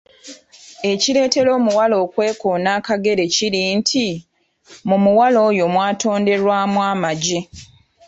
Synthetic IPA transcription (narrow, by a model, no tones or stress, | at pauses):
e̞cile̞ːte̞lo̞ːmuwalo̞ːkwe̞ːkoːnaːkaɡe̞ɾe̞ciɾintʰi | mumuwalo̞ːjo̞mwaːto̞ːnde̞ɾwaːmwaːmaɟe